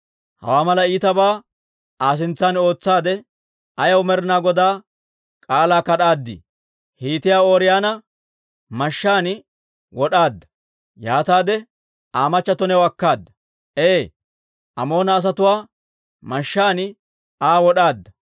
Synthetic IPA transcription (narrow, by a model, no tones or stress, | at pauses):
hɐ̰waːmɐlɐiːt̪ɐbaː | ʔaːs̬ɪnt͡sːaːno̞ːt͡sːaːd̪ɛ | ɐjɐwmɛɾɪnaːɡɔd̪aː | kʼaːlaːkɐɗaːd̪ːɪ̰ | hiːt̪ɪjaːoːɾɪjaːnɐ | mɐʃːaːn | wɔɗaːd̪ːɐ̥ | jaːt̪aːd̪ɛ | ʔaːmɐt͡ʃːɐt̪ɔnɛwɐkːaːd̪ːɐ̥ | ʔeː | ʔɐmo̞ːnɐːs̬ɐt̪ʊwaː | mɐʃːaːnɪ | aːwɔɗaːd̪ːɐ